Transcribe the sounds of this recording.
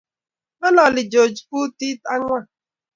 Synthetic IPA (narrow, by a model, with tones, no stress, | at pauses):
ɔ˦lɔ˨lɪ˨d͡ʒo˨d͡ʒpu˦ti˦ta˦ŋʷa˦